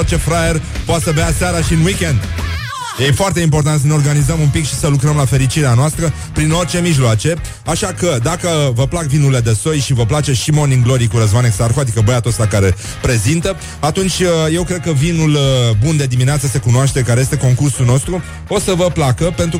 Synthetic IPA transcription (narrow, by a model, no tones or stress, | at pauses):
ort͡ʃe̞fɾajer | poat̪səbeaseaɾaʃiɨnwikʲend̪ | jefoart̪e̞impo̞rt̪ant̪s̬əneorɡanizəmumpikʃi̥səlukɾəmlafe̞ɾit͡ʃiɾeanoast̪ɾə | pɾino̞rt͡ʃe̞miʒloat͡ʃe̞ | aʃakəd̪akəvəplakvinule̞d̪e̞so̞jʃivəplat͡ʃe̞ʃimo̞niŋɡlo̞ɾikuɾəzvaneksarxoad̪ikəbəjat̪ost̪akaɾe̞ | pɾe̞zint̪ə | at̪unt͡ʃʲəje̞wkɾe̞d̪̚kəvinulbund̪e̞d̪imineat̪səse̞kunoaʃt̪e̞kaɾejest̪eko̞ŋkursulno̞st̪ɾu | o̞səvəplakəpe̞nt̪ɾu